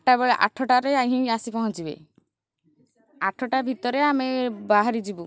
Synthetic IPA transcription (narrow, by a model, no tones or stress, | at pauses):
ʈaβɛɭeʔa̰ʈʰɔʈaɾeajɦĩasipɔɦɔ̃t͡ʃibḛ | aʈʰɔʈabʱit̪ɔɾeamebaɦaɾid͡ʒibu